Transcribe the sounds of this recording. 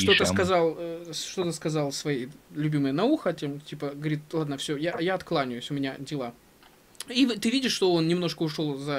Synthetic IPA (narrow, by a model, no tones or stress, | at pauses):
ʂt̪ot̪əskɐzɑlˠʂt̪o̞t̪əskɐzɑlˠsvɐjejlʲʉbʲiməjənɐuxətʲemtʲipəɡəvɐɾʲit̪̚lˠad̪nəfsʲojajaɐt̪klˠanʲɪjʊsʲʊmʲɪnʲadʲɪlˠa | ivt̪ɨvʲidʲɪʂːt̪o̞onnʲɪmno̞ʂkəʊʂo̞lˠzɐ